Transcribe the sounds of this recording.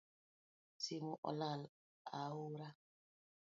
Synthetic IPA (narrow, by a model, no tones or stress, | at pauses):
simuʔɔ̰lal | awuɾa